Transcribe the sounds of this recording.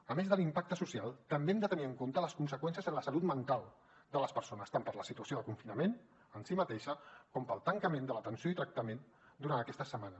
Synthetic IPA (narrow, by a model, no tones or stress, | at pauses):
əmezðəlimpak̚t̪əsusialˠt̪əmbeɛmd̪ət̪əniəŋkont̪ələskunsəkwɛnsijəzənləsəlut̪mənt̪alˠ | d̪ələspəɾsonəst̪ampəɾləsit̪uəsioðəkuɱfinəmen | ənsimət̪eʃəkɔmpəlˠt̪əŋkəmẽnd̪ələt̪ənsioit̪ɾək̚t̪əmen | d̪uɾant̪əkɛst̪əsəmanə